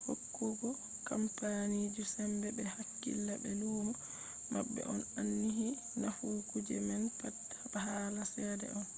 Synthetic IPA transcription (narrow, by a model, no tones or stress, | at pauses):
hokːuɡɔ | kampanid͡ʒusɛmbɛbɛhakːḭlːabɛluːma | ma̰bːɛ̰ʔɔnanːiɦi | nafuːkud͡ʒɛmɛnpatː | ahaːlasɛːdɛ̰ɔn